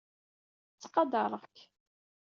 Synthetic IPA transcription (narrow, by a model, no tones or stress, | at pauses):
t͡sːqɑd̪ɑɾˤəʁk